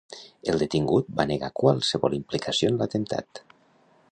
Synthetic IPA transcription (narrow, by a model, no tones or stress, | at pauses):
elˠd̪et̪iŋɡut̪̚baneɣa̰kwalˠseβɔlimplikasionlat̪ent̪ʰa̰t̪